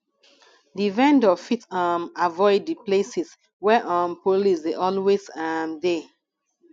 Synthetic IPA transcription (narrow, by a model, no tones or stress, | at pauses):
divɛ̃ndɔfitãmavɔɪdːiplesis | wɛʔãmpolisdeʔɔlwesamde